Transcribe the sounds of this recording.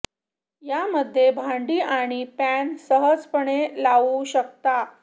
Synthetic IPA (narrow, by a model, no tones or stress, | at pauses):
jaməd̪ʱːjebʱãɳɖiːaɽ̃ipænsəɦəd͡zpəɳelaʋuɕəkt̪a